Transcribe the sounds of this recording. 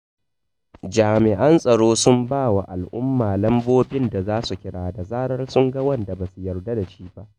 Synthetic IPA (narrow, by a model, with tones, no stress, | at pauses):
d͡ʒaː˨mɪ˨ʔɐ˦nsʼɐ˨ɽoː˦sʊ˦mbaː˦˨wa˨ʔa˨lʔʊ˦mːaː˨lɐ˦mboː˦bɪ˦nda˨zaː˦su˨kʲɪ˦ɽaː˨da˨zaː˦ɽɐ˦rsʊ˦ŋɡɐ˦wɐ˦˨nda˨ba˨su˨jɐ˨rda˦da˨t͡ʃiː˦ba˦ʔ